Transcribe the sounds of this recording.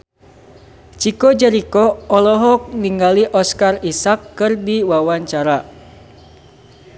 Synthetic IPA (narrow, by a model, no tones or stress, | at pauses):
t͡ʃikod͡ʒɛɾikɔɔlɔɦɔk̚niŋɡaliʔɔskarisakːɨrdiwawaɲt͡ʃaɾa